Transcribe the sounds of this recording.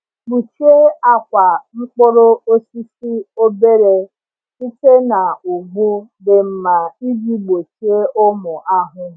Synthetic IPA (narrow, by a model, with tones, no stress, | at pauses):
ɡ͡bu˨t͡ʃu˦e˦a˦kʷa˨ŋ͡m̩˦k͡po˦ɾo˦o˦si˦si˦o˦be˦ɾe˦ | i˦te˦na˨u˨ɡ͡bu˦be˨m̩˨ma˨i˦d͡ʒi˦ɡ͡bo˨t͡ʃu˦e˦ʔʊ˦mʊ˨ʔa˦ɦʊ˦